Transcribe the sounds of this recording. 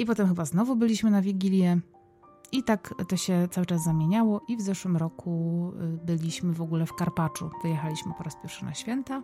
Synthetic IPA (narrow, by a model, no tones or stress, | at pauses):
ipɔt̪ɛmxɘbaznɔvubɘlʲiɕmɘnavʲiɡʲilʲjɛ | it̪akt̪ɔɕɛt̪sawɘt͡ʂaszzamʲjeɲawɔʔivzɛʂwɘmɾɔkʰubɘlʲiɕmɘvɔɡulɛfkaɾpat͡ʂṵvɘjɛxalʲiɕmɘpɔɾaspʲjɛɾfʂɨna̰ɕfʲjɛnt̪a